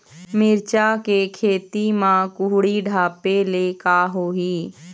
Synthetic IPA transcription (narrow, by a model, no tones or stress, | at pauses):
mɪɾt͡ʃakekʰeːt̪imãkʊɦɽiɖʱaːpelekaɦoːiː